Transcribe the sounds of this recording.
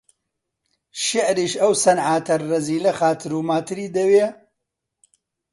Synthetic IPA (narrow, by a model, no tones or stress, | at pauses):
ʃɪʕɾiːʃɐwsɐnʕaːt̪ʰɐːɐziːlɐxaːt̪ʰɨɾuːmaːt̪ʰɨɾiːd̪ɐweː